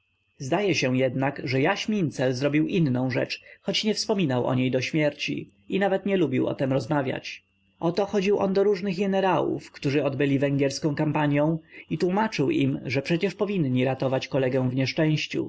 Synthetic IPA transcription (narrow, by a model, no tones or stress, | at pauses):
zd̪ajɛɕɛjɛd̪nakʐɛjaɕmʲint̪sɛlzɾɔbʲiwʔinːɔ̃w̃ʐɛ̰t͡ʂxɔt͡ɕɲɛfspɔmʲinawʔɔ̰ɲejd̪ɔɕmʲjɛɾt͡ɕḭ | inavɛt̪ɲɛlubʲiwʔɔ̰t̪ɛmɾɔzmavʲja̰t͡ɕ | ʔɔt̪ɔxɔd͡ʑiwʔɔ̰nd̪ɔɾuʐnɘɣɡɛnɛɾawṵfkt̪uʐɘɔd̪bɘlʲivɛŋɡʲjɛɾskɔ̃w̃kampaɲjɔ̃w̃it̪wumat͡ʂɘwʔḭmʐɛpʂɛt͡ɕɛʂpɔvʲinɲiɾat̪ɔvat͡ɕkɔlɛɡɛw̃vɲɛʂt͡ʂɛ̃w̃ɕt͡ɕṵ